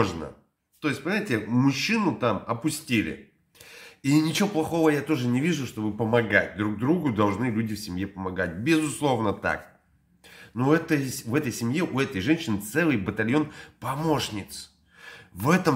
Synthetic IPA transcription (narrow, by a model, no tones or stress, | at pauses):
ʐnə̰ | t̪o̞ɪsʲt̚ʲpɐnʲɪmʲatʲɪmʊɕːinʊt̪amɐpʊsʲtʲilʲɪ̰ | inʲɪt͡ɕɪvo̞plˠɐxo̞vəjat̪o̞ʐɨnʲɪvʲiʐʊʂt̪o̞bɨpəmɐɡa̰t̚ʲd̪ɾuɡ̚d̪ɾuɡʊd̪ɐlˠʐnɨlʲudʲɪfsʲɪmjepəmɐɡat̚ʲbʲɪzʊslˠo̞vnət̪a̰k̚ | nuɛt̪əjvɛt̪əjsʲɪmʲjeʔʊɛt̪əjʐɛnʲɕːɪnɨt̪sɛlˠɨjbət̪ɐlʲjo̞npɐmo̞ʂnʲɪt̪s | vɛt̪əm